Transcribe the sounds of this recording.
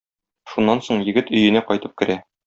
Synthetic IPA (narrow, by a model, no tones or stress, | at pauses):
ʃunːɑnsoɴjɘ̆ɡɘt̪ɵ̆jɘ̆næqɒjt̪ɤp̚kɘ̆ɾæ